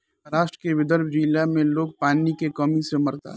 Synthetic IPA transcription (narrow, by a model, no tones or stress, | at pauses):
ɾaːʃʈɾəkeʋɪd̪əɾbʱd͡ʒilamẽloːɡ̚paːnikekɐmisemɐɾt̪a̰